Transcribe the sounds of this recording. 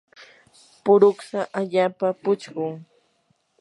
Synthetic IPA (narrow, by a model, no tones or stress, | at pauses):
pʊɾʊksaʔaʎaːpapʊt͡ʃɢʊŋ